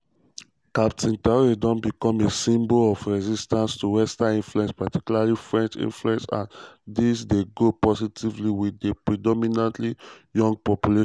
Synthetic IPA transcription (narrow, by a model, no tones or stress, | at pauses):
kap̚tʰĩntaɹidɔ̃nbikɔ̃mesĩmbolɔfɹɛzistãnstuwɛstaĩnfluɛ̃nspatikjulalifɹɛ̃nt͡ʃḭ̃nfluɛ̃nsã̰ndisdeɡopɔzitʰivliwidepɹidɔminãntlijɔ̃ŋɡ̚pɔpjuleʃ